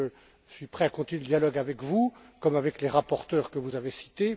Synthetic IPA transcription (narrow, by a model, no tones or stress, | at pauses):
ə | sɥipχɛakɔ̃t̪inɥedləd̪jalɔɡavɛkvukɔmavɛkleʁapɔʁt̪œʁkəvuzavesi̥t̪e